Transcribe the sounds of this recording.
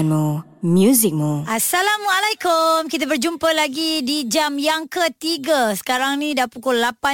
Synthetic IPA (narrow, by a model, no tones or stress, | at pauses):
nmu | mjuzik̚muʔasalamwalajkumkit̪̬abərd͡ʒumpalaɡidid͡ʒamjaŋkət̪iɡasə̥kaɾaŋnĩdapukulːapa